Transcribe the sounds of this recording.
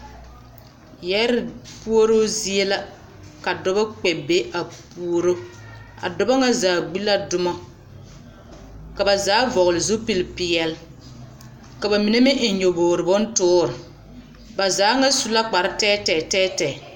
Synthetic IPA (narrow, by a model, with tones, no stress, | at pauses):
jɛ˦ɾɪ˨pu˦o˦ɾo˦zi˦e˦la˦ | ka˨dɔ˦ba˦k͡pɛ˨be˦ʔa˨pu˦o˦ɾo˦a̰˨dɔ˨ba˦ŋa˦zaː˨ɡ͡bi˦la˦dʊ˦mɔ˦ | ka˨ba˨zaː˨˦vɔ˨ɣʊ˨lɪ˨zu˦pi˦lpɪ˨jɛ˨l | ka˨ba˨mi˨ne˦mɪ˦ʔɪ˨ɲo˨boː˨ɾɪ˨bɔ˦n˦tʊː˦ɾɪ˨ | ba˨zaː˨˦ŋa˦su˦la˦k͡pa˨ɾɪ˦tɛː˦tɛ˨tɛː˦tɛː˨